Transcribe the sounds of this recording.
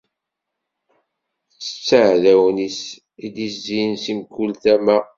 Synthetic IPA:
t͡sːə̥t͡sːəʕðæwnis | id̪iszinsimkːult̪æmæ

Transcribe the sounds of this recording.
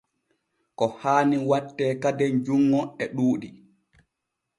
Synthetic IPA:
kɔhaːniwatːɛːkadɛnd͡ʒuŋːɔɛɗuːɗi

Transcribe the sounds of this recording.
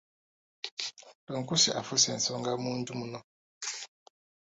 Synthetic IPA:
doŋkusiʔa̰fusɛn̩sɔŋɡamundumunɔ

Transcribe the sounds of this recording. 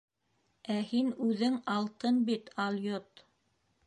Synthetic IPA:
æhinʉðɘŋɑlˠt̪ɤnbit̪ɑlˠjot̪

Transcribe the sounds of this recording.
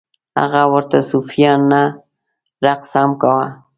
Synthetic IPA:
a̰ɢawaɾt̪asʊfjana | ɾɑqsamkawa

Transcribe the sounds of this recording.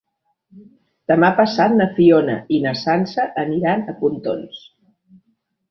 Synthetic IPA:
d̪̥əmapəsat̪̚nəfionə̰inəsansəʔəniɾanəpunt̪o̰ns

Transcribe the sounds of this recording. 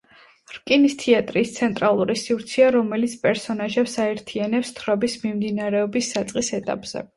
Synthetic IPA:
ɾkʼinist̪ʰiat̪ʼɾiːst̪sʰɛnt̪ʼɾalˠuɾisiɾt̪sʰiaɾɔmɛlit̪sʰpʼɛɾsɔnaʒɛpsaɛɾt̪ʰianɛpst̪ʰɾɔbismimd̪inaɾɛɔbisːat̪sʼqʼisɛt̪ʼa̰pʼz̥ɛ̰

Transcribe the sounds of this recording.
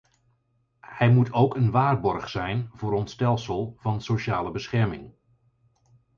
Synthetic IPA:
hɛjmutowkənʋaːrbɔɹχsɛjnvʊːɾɔntstɛlˠsəlˠvɑnsoʃaːləbəsχɛɹmɪ̰ŋ

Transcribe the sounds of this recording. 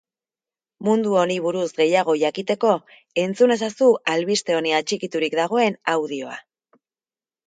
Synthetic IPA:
mund̪uo̞ɾiβuɾuzɡe̞jaɣ̞o̞ʝakit̪e̞ko̞ | e̞nt͡sune̞sasuʔalβist̪e̞o̞niat͡ʃikit̪uɾikd̪aɣ̞o̞e̞nawðio̞a̰

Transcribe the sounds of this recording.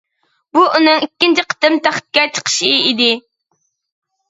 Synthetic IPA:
buʔunɨŋikʲːint͡ʃʰiqʰə̥t̪ɨmt̪ʰæχt̪̚kʲɛt͡ʃʰə̥qʰə̥ʃiid̪ɪ

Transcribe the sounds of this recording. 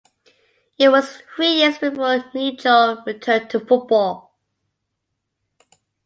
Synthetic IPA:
ɪt̚wɒz̥θɹijɪzbɪfɔːnid͡ʒɔɹɪtʰɜ̃˞ntʰəfʊt̚b̥ɔlˠ

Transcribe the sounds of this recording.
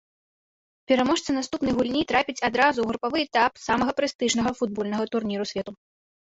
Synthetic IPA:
pʲɛɾamɔʂt̪sɨnast̪upnɐjɣulʲnʲit̪ɾapʲit͡sʲad̪ɾazuɣɾupavɨɛt̪apsamɐɣɐpɾɨst̪ɨʐnɐɣɐfud̪̚bɔlʲnɐɣɐt̪urnʲiɾusʲvʲɛt̪u

